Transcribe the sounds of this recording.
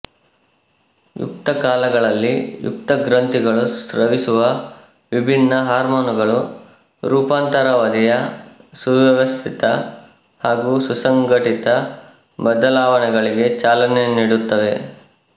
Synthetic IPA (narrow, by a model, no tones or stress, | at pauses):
jṵk̚t̪ɐkaːlɐɡɐɭɐlːijṵk̚t̪ɐɡɾɐnt̪iɡɐɭusɾɐʋisuʋɐ | ʋibʱinːɐɦaːɾmoːnuɡɐɭu | ɾuːpaːnt̪ɐɾɐʋɐd̪ijɐsuʋjɐʋɐst̪ʰit̪ɐ | haːɡuːsusɐŋɡɐʈit̪ɐ | bɐd̪ɐlaːʋɐnɛɡɐɭiɡe̞t͡ʃaːlɐne̞niːɽut̪ːɐʋe̞